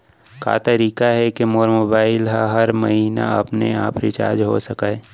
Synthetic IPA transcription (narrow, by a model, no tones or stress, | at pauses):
ka̰ːt̪əɾiːkaɦɛkemoːɾmobaːɪlɦaɦɐɾmɐɦiːna̰ɐpnea̰ːpɾɪt͡ʃa̰ːɾd͡ʒɦo̰səkaː